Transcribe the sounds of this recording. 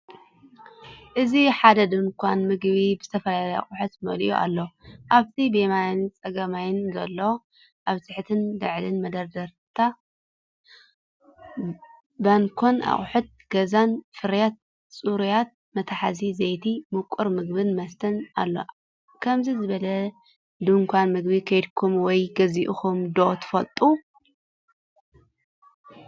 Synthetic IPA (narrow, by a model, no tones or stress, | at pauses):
ʔɨziħad̪ɐd̪ɨnkʰʷanmɨɡβibɨzɨt̪ʰɐfɐlalɐja̰χʼħut̪mɐlḭʔuʔa̰lːoʔaβt̪ʰibemajɪnt͡sʼɐɡɐmajɪnzɐlːo | ʔaβt̪ʰɨħt̪ʰɨnd̪ɨʕlɨnmɐd̪ɐɾd̪ɐɾt̪ʰa | bankʰonʔa̰χʼħut̪̚ɡ̥ɐzanfɨɾjat̪̚ | sʼuɾjat̪̚ | mɐt̪ʰaħazizɐjt̪ʰimɨkʼːuɾmɨɡbɨnmɐst̪ʰɐna̰lːo̞̰ | kʰɐmzizɨβɐlɐ | d̪uŋkʰʷanmɨɡbikʰɐjd̪kʰumwɔjɡɐziʔuxumd̪ot̪ʰɨ̥fɐlt̪ʼu